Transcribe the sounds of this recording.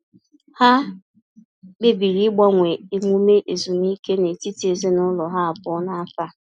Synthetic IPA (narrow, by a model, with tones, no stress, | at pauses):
ha˦ | ɡ͡be˦bi˨ɾi˦ɡ͡bɔ˦ŋʷe˨e˨ŋʷu˦me˦ʔe˨zu˨ni˦ke˦ne˨ti˦ti˨e˨zi˦nʊ˦lɔ˨ɦa˦a˨pʊ˦na˦fa˦